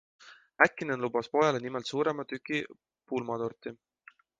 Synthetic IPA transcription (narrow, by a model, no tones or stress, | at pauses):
ækːˑinenlub̥ɑspo̞jɑlenimelt̪suːɾe̞mɑt̪ykˑːi | pulmɑd̪ort̪i